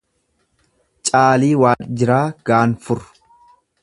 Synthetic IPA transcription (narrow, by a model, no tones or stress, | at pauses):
t͡ʃʼaːliːwaːnd͡ʒɪɾaːɡ̥aːnfʊɾʊ̥